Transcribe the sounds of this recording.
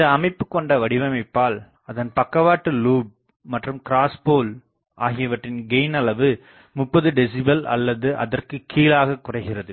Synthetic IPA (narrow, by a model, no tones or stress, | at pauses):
ɪd̪ɐːmɐɪpːɯkːɔɳɖɐʋɐɽɪʋɐmɐɪpːaːl | ɐðɐnpɐkːɐʋaːʈːɯluːb̚ | mɐʈrɯmkɪɾaːspoːl | ʔaːɣɪjɐʋɐʈrɪnɡɐɪnɐlɐʋɯ | mʊpːɐðɯɖɪsɪbɐlɐ̰lːɐðɯʔɐ̰ðɐrkɯkʰːiːlaːɣɐkːʊrɐɪɣɪrɐðɯ